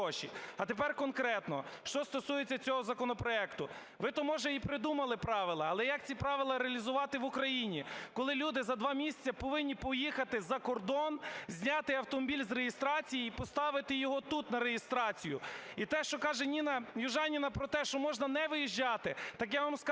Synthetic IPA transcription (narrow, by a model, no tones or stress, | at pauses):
ɔʃʲḭɐt̪epɛrkɔnkɾɛt̪nɔ̰ʃt͡ʃɔst̪ɔsujet͡sʲːɐt͡sʲɔɦɔzɐkɔnɔpɾɔɛkt̪ʊ | ʋɪt̪ɔmɔʒɛipɾɪd̪umɐlˠɪpɾɑʋɪlˠɐːlˠɛjɐk̚t͡sʲipɾɑʋɪlˠɐɾeɐlʲizʊʋɑt̪ɪʋʊkɾɐjinʲikɔlˠɪlʲud̪ɪzɐd̪ʋɑmʲisʲt͡sʲɐpɔʋɪnʲːipɔjixɐt̪ɪzɐkɔrd̪ɔnzʲnʲɑt̪ɪɐwt̪ɔmɔbʲilʲzɾejɪst̪ɾɑt͡sʲijiipɔst̪ɑʋɪt̪ɪjɔɦɔt̪ut̪nɐɾejɪst̪ɾɑt͡sʲijʊit̪ɛʃt͡ʃɔkɑʒɛnʲinɐjʊʒɑnʲinɐpɾɔt̪ɛʃt͡ʃɔmɔʒnɐnɛʋɪjiʒd͡ʒɑt̪ɪt̪ɑkjaʋamsk